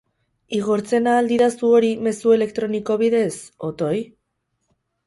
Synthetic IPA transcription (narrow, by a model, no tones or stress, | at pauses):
iɣoɾt͡se̞naːld̪iðasuo̞ɾime̞sue̞le̞kt̪ɾo̞niko̞βiðe̞so̞t̪o̞j